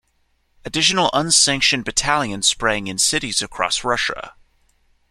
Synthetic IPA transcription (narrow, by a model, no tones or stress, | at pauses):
ədɪʃənəlʔʌ̃nsæ̃ŋkʃə̃nbɨtʰælˠjə̃nspɹæ̃ŋɪ̃nsɪɾizəkʰɹ̥ɔ̰sɹʌʃə̰